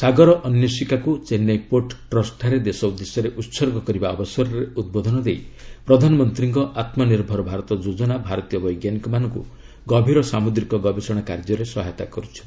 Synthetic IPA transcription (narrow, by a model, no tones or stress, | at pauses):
saɡɔɾɔʔɔnjɔsikakut͡ʃenːajpoʈʈɾɔsʈʰaɾed̪esɔud̪esjɔɾeʔut̪sɔɾɡʱɔkɔɾibaɔbɔsɔɾɔɾeud̪̚bod̪ʱɔnɔd̪ejpɾɔd̪ʱanɔmɔnt̪ɾiŋkɔʔat̪mɔniɾbʱɔɾɔbʱaɾɔt̪ɔd͡ʒod͡ʒɔnabʱaɾɔt̪ijɔbɔjɡjanikɔmanɔŋkṵ | ɡɔbʱiɾɔsamud̪ɾikɔɡɔbesɔɽ̃akaɾd͡ʒɔɾesɔɦajt̪a̰kɔɾut͡ʃʰi̥